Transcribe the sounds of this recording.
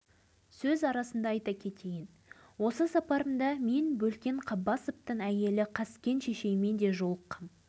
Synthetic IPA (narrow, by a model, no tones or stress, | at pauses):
sɵzɑɾɑsənd̪ɑːjt̪ɑkʲʰe̞t̪e̞jɪn | wo̞səsɑpɑɾəmd̪ɑme̞nbɵlkʲe̞ɴqʰɑbːɑsəp̚t̪əɴæje̞lɪqʰɑskʲe̞nʃe̞ʃe̞jme̞nd̪e̞ʒo̞lˠəqːɑm